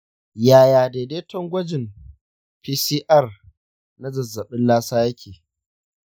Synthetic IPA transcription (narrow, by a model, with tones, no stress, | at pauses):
jaː˨jaː˨deː˨deː˦tɔ˦ŋɡʷɐ˦d͡ʒɪ˨m | piː˦siː˦ʔɐ˦˨r | na˦zɐ˨zːɐ˨ɓɪ˦nlaː˦saː˦jɐ˦kʲeː˨